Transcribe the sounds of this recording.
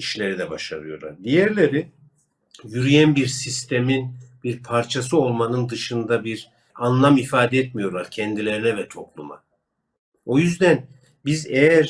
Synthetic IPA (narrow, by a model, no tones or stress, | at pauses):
iʃlʲe̞ɾid̪ɛbaʃaɾɯjo̞̰ɾlˠa̰ɾd̪ijæɾlʲe̞ɾi | jyɾyjænbiɾsist̪ʰeminbiɾpʰaɾt͡ʃʰasɯo̞lˠmanɯnd̪ɯʃɯnd̪abiɾ | anlˠamifaːd̪ɛɛt̪mijo̞ɾlˠaɾcʰɛnd̪ilʲe̞ɾinɛvɛt̪ʰo̞plˠuma̰ | o̞jyzd̪æn | bizejæɾ